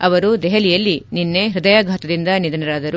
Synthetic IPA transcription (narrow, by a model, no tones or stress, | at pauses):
ɐʋɐɾud̪ɛɦɐlijɐlːininːe̞ɦɾud̪ɐjaːɡʱaːt̪ɐd̪ind̪ɐnid̪ɐnɐɾaːd̪ɐɾu